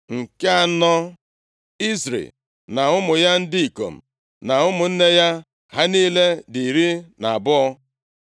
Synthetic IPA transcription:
ŋ̩˨ke˦a˦nɔ˦ | i˦sɾḛ˨l | na˨ʊ˦mʊ˨ja˦n̩˦di˦i˨ko̰˨m̩˨ | na˨ʊ˦mʊ˨n̩˦ne˦ja˦ | ɦa˦niː˦le˦di˨ɾi˦na˨a˨bʊ˦ɔ˦

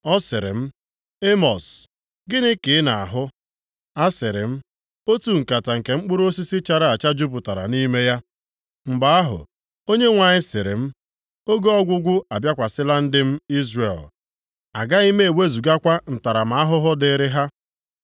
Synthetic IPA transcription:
ɔ˦sɪ˨ɾɪ̰˨m̩˦ | e˦mɔ˨s | ɡɪ˦nɪ˦kɪ˨ɪ˦na˨a˨ɦʊ˦ | a˦sɪ˨ɾɪ˨m̩˦ | o˦tu˨ŋ̩˨ka˨ta˨ŋ̩˨ke˨ŋ͡m̩˦k͡pʊ˦ɾo˦si˦si˦t͡ʃa˨ɾa˦a˨t͡ʃa˦d͡ʒu˦p̬ʊ˨ta˨ɾa̰˨ni˦me˦ja˦ | ŋ͡m̩˨ba˨˦a˦ɦʊ̰˨ | o˦ɲe˦ŋʷa˨ɲɪ˦sɪ˨ɾɪ̰˨m̩˦ | o˦ɡo˦ɔ˦ɡʷʊ˦ɡʷʊ˦a˨bja˦kʷa˨sɪ˦la˦n̩˦dɪ˦m̩˦i˦zre˨l | a˨ɡa˦i˦me˦e˨we˦zu˨ɡa˦kʷa˦n̩˨ta˨ɾa˨m̩a˨a˦ɦʊ˦ɦʊ˦dɪ˦ɾɪ˦ɦa˦

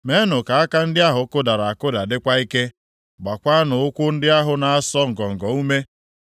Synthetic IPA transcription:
me˦nʊ˨ka˨a˦ka˦n̩˦dɪ˦a˦ɦʊ˨˦kʊ˦da˨ɾa˨a˨kʊ˦da˨dɪ˦kʷa˦i˦ke˦ | ɡ͡ba˨kʷa˦a˦nʊ˨ʊ˦kʷʊ˦n̩˦dɪ˦a˦ɦʊ˨na˨a˦sɔ˦ŋ̩˨ɡɔ˨ŋ̩˨ɡɔ˨u˦me˦

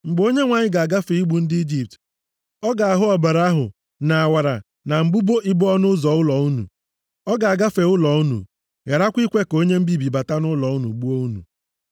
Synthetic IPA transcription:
ŋ͡m̩˨ɡ͡bo˦ɲe˦ŋʷa˨ɲɪ˦ɡa˨a˨ɡa˦fe˨i˦ɡ͡bu˨n̩˦di˦d͡ʒi˨p̚t | ɔ˦ɡa˨a˨ɦʊ˦ɔ˨ba˨ɾa˦a˦ɦʊ̰˨ | na˨a˨wa˨ɾa̰˨ | na˨m̩˨bu˦bo˦ʔi˦bɔ˦nʊ˦zɔ˨ʊ˦lɔ˨u˦nṵ˨ | ɔ˦ɡa˨a˨ɡa˦fe˨ʊ˦lɔ˨u˦nṵ˨ | ja˨ɾa˦kʷi˦kʷe˦ko˦ɲe˦m̩˦bi˦bi˨ba˨ta˦nʊ˦lɔ˨u˦nṵ˨ɡ͡bu˦o˦u˦nṵ˨

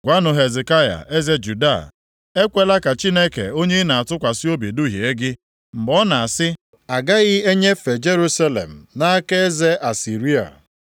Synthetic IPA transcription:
ɡʷa˦nʊ˨ɦe˨ze˨ka˦ja̰˨ʔe˦ze˦d͡ʒu˨da˦˨ | e˦kʷe˦la˦ka˨t͡ʃi˦ne˦kḛ˨o˦ɲe˦na˨a˨tʊ˦kʷa˨sɪ˦o˦be˨du˦ɦje˨e˦ɡɪ˦ | m̩˨bɔ˦na˨a˨sɪ˦ | a˨ɡa˦ɣɪ˦e˦ɲe˦fe˨d͡ʒe˦ɾu˦sa˦lḛ˨m̩˨na˦a˦ke˦e˦ze˦ʔa˨si˨ɾi˦a̰˨

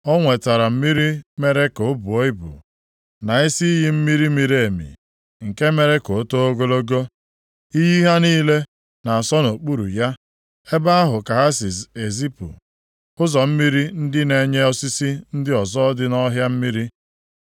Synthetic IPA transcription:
ɔ˦ŋʷe˨ta˨ɾa˨m̩˦mi˦ɾi˦me˦ɾe˦ko˨˦bʊ˨o˦i˦bṵ˨ | na˨i˦si˦i˦ɦi˦m̩˦mi˦ɾi˦mi˨ɾe˨mḭ˨ | ŋ̩˨ke˦me˦ɾe˦ko˨˦to˦o˦ɡo˦lo˦ɡo˦ | i˦ɦi˦ɦa˦niː˦le˦ | na˨a˨sɔ˦no˨k͡pu˦ɾṵ˨ja˦ | e˦ba˦a˦ɦʊ˨ka˨ɦa˦si˨se˨zi˦pṵ˨ | ʊ˦zɔ˨m̩˦mi˦ɾi˦n̩˦dɪ˦ne˨ɲe˦ɔ˦si˦si˦n̩˦dɪ˦ɔ˨zɔ˦dɪ˦nɔ˦ɦja˦m̩˦mi˦ɾi˦

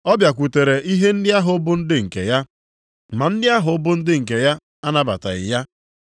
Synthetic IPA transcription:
ɔ˦bja˨kʷu˨te˨ɾe˨ʔi˦ɦe˦n̩˦dɪ˦a˦ɦʊ˨˦bʊ˦n̩˦dɪ˦ŋ̩˨kḛ˨ja˦ | ma˨n̩˦dɪ˦a˦ɦʊ˨˦bʊ˦n̩˦dɪ˦ŋ̩˨k̬e˨ja˦ | a˦na˦ba̰˨ta̰˨ɣɪ̰˨ja˦

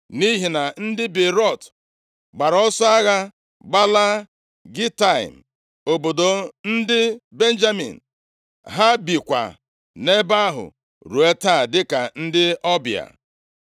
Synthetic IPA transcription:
ni˦ɦi˨na˨n̩˦dɪ˦bɪ˨ɾɔ˦˨t | ɡ͡ba˨ɾɔ˦sɔ˦a˦ɣa˦ | ɡ͡ba˦la˦ | ɡi˦ta˦˨ḭ˨m̩˨ | o˨bo˨do˨n̩˦dɪ˦be˦n̩˦d͡ʒa˦mḭ˨n̩˨ | ɦa˦bi˨kʷa̰˨ | ne˦ba˦ɦʊ̰˨ | ɾu˨e˦ta˦˨dɪ˦ka˨n̩˦dɪ˦ɔ˦bja̰˨

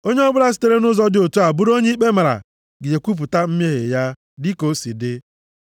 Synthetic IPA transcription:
o˦ɲe˦ɔ˦bʊ˦ɾa˦s̬i̥˦te˦ɾe˦nʊ˦zɔ˦dɪ˦o˨tu˦a˨bʊ˦ɾo˦ɲe˦i˦k͡pe˦ma˨ɾa̰˨ | ɡɪ˨d͡ʒe˨kʷu˦p̬ʊ˨ta˦m̩˦m˦e˦ɦḛ˨ja˦ | dɪ˦ko˨si˨dɪ˦

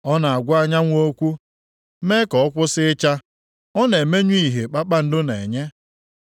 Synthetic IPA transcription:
ɔ˦na˨a˨ɡʷʊ˦a˦ɲa˦ŋʷo˦kʷu˦ | me˦kɔ˨ɔ˦kʷʊ˦sɪ˦t͡ʃa˦ | ɔ˦ne˨me˦ɲu˦i˦˨ɦe˨k͡pa˦k͡pa˦n̩˦dʊ˦ne˨ɲe˦

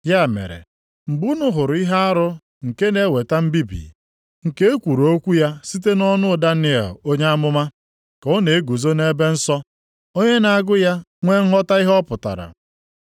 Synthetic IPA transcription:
ja˦˨mḛ˨ɾḛ˨ | m̩˨bu˦nʊ˦ɦʊ˨ɾʊ˨i˦ɦa˦a˦ɾʊ˦ | ŋ̩˨ke˦ne˦we˨ta˦m̩˦bi˦bḭ˨ | ŋ̩˨ke˦e˦kʷu˨ɾo˦kʷu˦ja˦si˦t̬e˦nɔ˦nʊ˦da˦nɪ˦ḛ˨lo˦ɲe˦a˦mʊ˦ma˦ | kɔ˦ne˨e˦ɡu˨zo˦ne˦be˦n̩˦sɔ˦ | o˦ɲe˦na˨a˨ɡʊ˦ja˦ŋʷe˦ŋ̩˦ɦɔ˦ta˦i˦ɦɔ˦pʊ˨ta̰˨ɾa̰˨

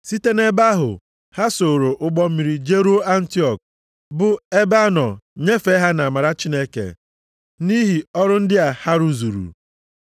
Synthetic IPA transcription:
si˦te˦ne˦ba˦ɦʊ̰˨ | ha˦so˨ɾo˨ʔʊ˦ɡ͡bɔ˦m̩˦mi˨ɾi˨d͡ʒe˦ɾu˦a˦n̩˦ti˦ɔ˨k̚ | bʊ˨e˦ba˦nɔ˨ɲe˦fe˦ɦa˦na˨a˨ma˨ɾa˦t͡ʃi˦ne˦kḛ˨ | ni˦ɦi˨ɔ˦ɾʊ˦n̩˦dɪ˦a˨ha˦ɾu˦zu˨ɾṵ˨

